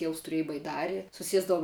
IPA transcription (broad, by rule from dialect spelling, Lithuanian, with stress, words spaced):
ˈtʲiɛʊs tʊˈrʲiɛj bɐɪˈdɑːrʲɪ sʊˈsʲiɛzdɐʋʊm